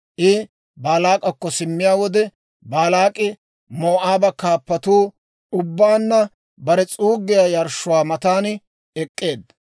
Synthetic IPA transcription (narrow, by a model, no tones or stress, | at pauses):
ʔɪ | baːlaːkʼɐkːɔsɪmːɪjaːwɔd̪ɛ | baːlaːkʼɪ | moːʔaːbɐkaːpːɐt̪uː | ʊbːaːnːɐ | bɐɾɛt͡sʼuːɡːɪjaːjɐɾʃʊwaːmɐt̪aːn | ɛkʼːe̞ːd̪